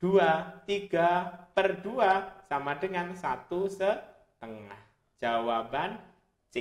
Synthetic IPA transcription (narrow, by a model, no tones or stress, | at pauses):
d̥uat̪iɡ̥a̤pərduasamadəŋansat̪usə | t̪əŋa̰h | d͡ʒ̥awaban | t͡ʃɪ